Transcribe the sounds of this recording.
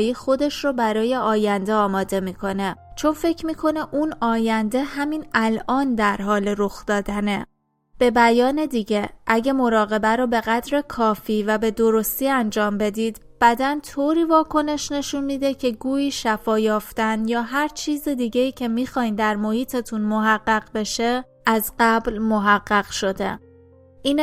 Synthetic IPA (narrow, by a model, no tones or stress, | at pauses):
jiːxo̞d̪e̞ʃrɔbæɾɒːje̞ɒːjænd̪e̞ɒːmɒːd̪e̞miːkʰo̞ne̞t͡ʃʰo̞nfe̞cʰmiːkʰo̞ne̞ʔuːnɒːjænd̪e̞hæmiːnælʔɒːnd̪æɾɦɒːle̞ɾoxd̪̥ɒːd̪æne | b̥e̞bæjɒːne̞d̪iɟe̞ʔæɟe̞mo̞ɾɒːɣe̞bæɾɔːbe̞ɣæd̪ɾe̞kʰɒːfiːvæbe̞d̪o̞ɾo̞st̪iːænd͡ʒɒːmbe̞d̪iːd̪ | b̥æd̪ænt̪ʰoːɾiːvɒːkʰo̞ne̞ʃne̞ʃunmiːd̪e̞cʰe̞ɡuːjiːʃæfɒːjɒːft̪ænjɒːɦæɾt͡ʃʰiːzed̪iɟe̞iːcʰe̞miːxɒːind̪æɾmo̞hiːt̪ʰet̪ʰunmoɦæɢːæɢbe̞ʃe | ʔæzɢæblmo̞ɦæɢːæɣ̥ʃo̞d̪e̞̰ | ʔiːn